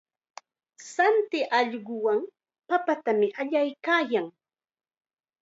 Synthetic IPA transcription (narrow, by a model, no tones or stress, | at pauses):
sant̪ɪʔɑʎɢʊwaŋ | papat̪amɪʔaʎajkaːjaŋ